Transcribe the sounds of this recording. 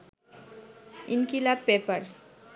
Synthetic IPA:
inkilapepəɾ

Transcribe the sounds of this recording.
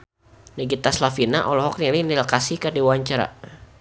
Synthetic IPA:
nɛɡit̪aslafinaʔɔlɔɦɔk̚nilɪnilkasikadiwaɲt͡ʃaɾa̰

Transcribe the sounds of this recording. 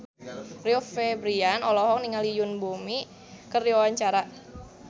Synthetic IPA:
riɔfebɾianɔlɔɦɔk̚niŋalijʊnbomi | kərdiwawaɲt͡ʃaɾa

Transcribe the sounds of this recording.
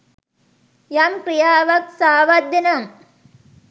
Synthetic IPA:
jamkɾijaːʋɐksaːʋɐd̪ːinɐm

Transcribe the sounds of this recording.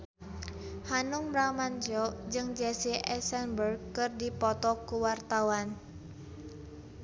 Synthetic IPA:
hanʊŋbɾamand͡ʒɔd͡ʒɨŋd͡ʒɛsiʔɛsɛnbərɡkɨrdipɔt̪ɔkuwart̪awan

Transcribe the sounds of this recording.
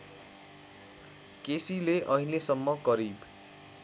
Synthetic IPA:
kesileʔʌɦĩlesʌmːʌɡʌɾib

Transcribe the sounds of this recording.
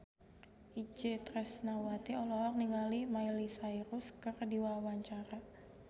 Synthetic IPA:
id͡ʒet̪ɾɛsnawat̪iɔlɔɦɔk̚niŋalimailisaiɾuskɨrdiwawaɲt͡ʃaɾa

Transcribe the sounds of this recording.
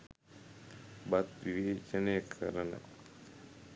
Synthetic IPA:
bat̪ʋiʋeːt͡ʃənəjəkʰə̰ɾənə̰

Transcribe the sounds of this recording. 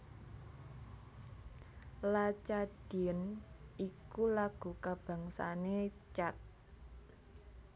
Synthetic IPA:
lat͡ʃad̥i̤nʔikulaɡ̥ṳkab̥a̤ŋsa̰net͡ʃat̪̚

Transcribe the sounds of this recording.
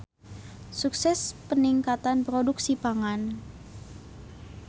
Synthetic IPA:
suksɛspəniŋkat̪anpɾoduksipaŋan

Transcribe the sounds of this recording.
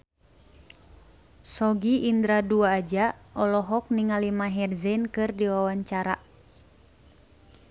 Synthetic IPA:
sɔɡiʔːnd̪ɾaduaːd͡ʒaʔɔlɔɦɔk̚niŋalimaɦɛrzɛnkɨrdiwawaɲt͡ʃaɾa

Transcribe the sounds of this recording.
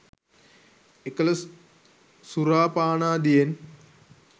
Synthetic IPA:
ekələ | suɾaːpaːnaːd̪ijen

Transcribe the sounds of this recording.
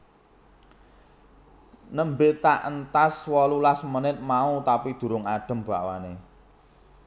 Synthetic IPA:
nəmbet̪aʔənt̪aswɔlulasmənɪt̪̚maut̪apid̪̥ṳɾʊŋaɖ̥ə̤mb̥a̤ʔwa̰ne

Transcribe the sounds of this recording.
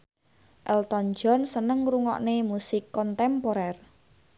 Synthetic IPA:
ʔɛlt̪ɔnd͡ʒɔnsənəŋɾuŋɔ̰ʔnemusɪkːɔnt̪ɛmpoɾɛr

